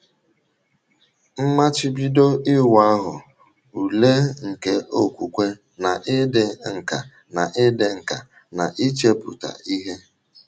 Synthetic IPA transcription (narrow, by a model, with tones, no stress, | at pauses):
m̩˦ma˦t͡ʃɪ˦bi˦do˦ɪ˦wa˦a˦ɦʊ˨ | u˨le˦ŋ̩˨ke˦ʔo˦kʷu˨kʷe˦ | na˨ʔɪ˦de˨ŋ̩˨ka̰˨ | na˨ʔɪ˦de˨ŋ̩˨ka̰˨ | na˨ʔi˦t͡ʃe˦bṵ˨ta̰˨i˦ɦe˦